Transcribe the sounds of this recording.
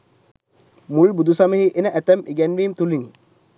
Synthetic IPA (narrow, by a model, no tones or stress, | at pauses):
muɭbud̪usaməɦiʔenəʔæt̪æmʔiɡɛnʋiːmt̪ulini